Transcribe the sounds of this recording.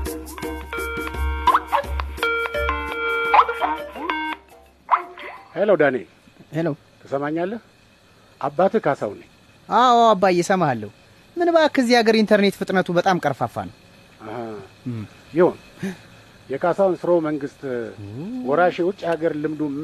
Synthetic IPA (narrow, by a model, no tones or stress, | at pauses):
heləwd̪anḛ | heləw | t̪ʰəsəmaɲːalːəh | ʔabːat̪ʰɨkʰasa̰wnəɲ | ʔawabːajɛsəmahalːə̰hu | mɨnbaakʰəzːihaɡəɾint̪ʰəɾne̞t̪fɨt̪ʼnət̪ʰubət̪ʼamkʼəɾfafa̰nəw | əhə | jɪho̞n | jɛkʰasawnsɨɾowməŋɡɨst̪ʼ | wɔɾaʃewʊt͡ʃʼːhaɡəɾlɨmd̪u